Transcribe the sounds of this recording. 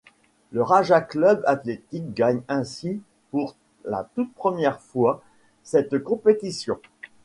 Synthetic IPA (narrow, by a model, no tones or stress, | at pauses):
ləʁaʒaklœbat̪let̪ik̚ɡaɲɛ̃si | puʁ | la̰t̪ut̪̚pχəmjɛʁfwa | sɛt̪kɔ̃pet̪isjɔ̰̃